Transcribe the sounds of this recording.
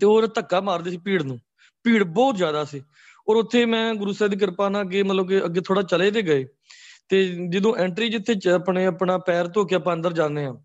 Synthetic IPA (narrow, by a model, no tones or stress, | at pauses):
t̪eːoːɾaːt̪əkːaːmaːɾd̪eːsiːpiːɽnũː | piːɽbɔːt̪zjaːd̪aːsiː | ɔːɾʊt̪ʰːeːmɛ̃ːɡʊɾuːsɛːd̪iːkəɾpaːnaːəɡːeːmət̪ləbkeəɡːeːt̪ʰoːɽaːt͡ʃəleːd̪eːɡəeː | t̪eːd͡ʒəd̪õːʔɛːɳʈɾiːd͡ʒɪt̪ʰːeːəpɳeːəpnaːpɛːɾt̪oːkeaːpãːənd̪əɾd͡ʒãːneːɦãː